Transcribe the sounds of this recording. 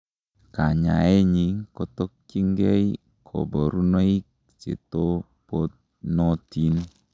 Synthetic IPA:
ka˨ɲa̰˨e˦ɲi˨kɔ˨tɔ˦k̚t͡ʃi˦ŋɡɛ˦i | kʰo̰˨bo˨ɾu˦no˦i˦k̚ | t͡ʃḛ˨to˦ | po˦t̪̚ | nɔ˦ti˦n

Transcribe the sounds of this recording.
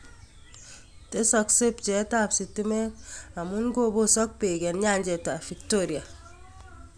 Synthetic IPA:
te˦sɔkse˦p̚t͡ʃe˨˦ta˨psi˨ti˦me˦a˨mu˦nɡo˦bo˦sɔ˦k̚pe˨ɡe˨nɲa˦˨ɲɟe˨ta˨fi˨ktoɾi˨a˨

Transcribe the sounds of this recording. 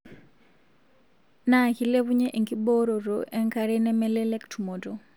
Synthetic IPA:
na˦ki˦le˦βu˦ɲɛ˦ʔe˨ŋki˦bo˦ɾo˨ɾoʔɛ˦ŋkaɾɛ˦nɛ˦mɛ˦lɛ˦lɛ˦ktʰu˨mo˨to

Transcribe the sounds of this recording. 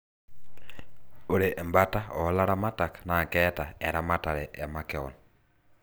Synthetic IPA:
o˨ɾe˨ʔɛ˨mbataɔ˨˦la˦ɾa˦matakna˨kɛtaɛ˨ɾa˦mata˨ɾɛʔɛ˨makɛɔ̰n

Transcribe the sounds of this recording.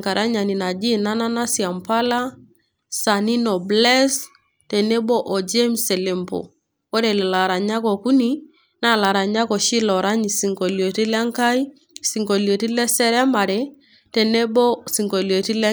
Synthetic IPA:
ŋka˨ɾa˦ɲa˨ni˨na˨d͡ʒi˦na˦na˦na˦si˨a˨mpa˦la˦ | sa˨ni˦nɔ˨blɛ˦s | tɛ˨ne˦bɔ˦ʔɔ˨d͡ʒe˦msɛ˨le˨mpo̰˨ | ɔ˦ɾɛ˨lɛ˨la˨ɾa˨ɲa˦kɔ˨ku˦ni˦ | na˦˨la˨ɾa˨ɲa˦kɔ˨ʃi˦lɔ˨ɾa˦ɲi˨si˨ŋkɔ˨ljo˨ti˦la˦ŋka˦i˦ | si˨ŋko˨ljo˨ti˦lɛ˦sɛ˦ɾɛ˦ma˨ɾɛ˨ | tɛ˨ne˦bɔ˦si˨ŋɡo˨ljo˨ti˦lɛ˦

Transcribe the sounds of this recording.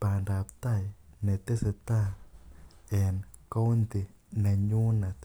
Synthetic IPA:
pa˨nda˨p̚t̪a˦jne˨t̪e˦se˧t̪a˦ | e˨nko˦wnt̪i˧ | na˨ɲu˦na˨t̪

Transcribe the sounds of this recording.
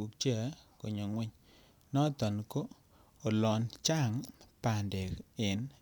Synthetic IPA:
u˨k̚t͡ʃɛ˦˨˦ko˨ɲo˨ŋwɛ˦ɲ | nɔ˦t̪ɔ˨nko˦ | o˨lɔ˨nt͡ʃa˦˨ŋpa˨nde˨kɪ˨n

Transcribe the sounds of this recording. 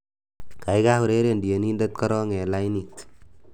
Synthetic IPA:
ka˨jka˦hu˨ɾe˦ɾe˨ndi˨je˨ni˦nda˦t̚ka˦ɾɔ˦ŋe˨la˦jnik

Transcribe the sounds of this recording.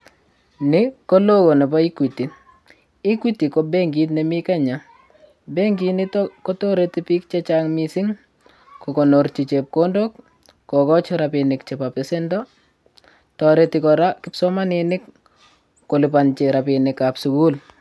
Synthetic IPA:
nɪko˦lo˦ko˨nɛ˨pa˦i˦kwi˨ti˨n | i˦kwi˦ti˨ko˦be˦ŋɡi˦tnemi˦ka˦ɲa˨ | be˦ŋɡi˦nɪ˦tkɔ˦to˦ɾetipi˦k̚t͡ʃe˦t͡ʃaŋmisɪ˦ŋ | kɔko˨no˨ɾt͡ʃi˨t͡ʃep̚kondok̚ | kɔkɔ˦t͡ʃɔɾapinɪkt͡ʃɛpape˨sɛ˦ndɔ | tɔ˨ɾeti˨kɔɾa˦kɪ˦psɔma˦nɪnɪ˦kː | o˨lɪpant͡ʃeɾa˨pinɪkapsuku˦l

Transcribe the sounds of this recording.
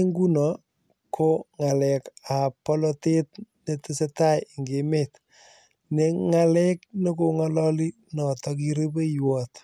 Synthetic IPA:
ŋɡu˦nɔ˨ | kʰo˦ŋa˨lɛ˨ka˨pɔ˦lɔ˦te˦tne˦tɪ˦se˦ta˦jŋɡe˨me˦t | ne˦ŋalɛ˦kno˦ko˨ŋa˦lɔ˦li˦ | nɔ˨tɔ˨k̬i˦ɾe˦be˦jwɔ˨t

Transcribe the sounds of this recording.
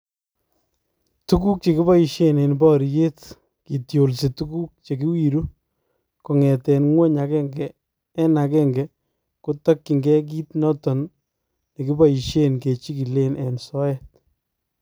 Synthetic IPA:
tu˦ku˦k̚t͡ʃe˨ki˦ba˦i˨ʃe˦ne˨nbɔ˦ɾje˦t | ki˨tjo˨lsi˨tu˦ku˦k̚t͡ʃe˨ki˦wi˨ɾu˦ | kɔ˨ŋɛ˨tɛ˨nŋwe˦ɲa˨kɛ˦ŋɡɛː˦ | na˨kɛ˦ŋɡɛ | ku˦ta˦kːi˨ŋɡɛ˦k̬iː˦tnɔ˦tɔ˨n | ne˨ki˦ba˦i˨ʃe˦nke˨t͡ʃi˦ki˨le˦nʔɛ˨nsɔ˦ɛ˦˨t̚

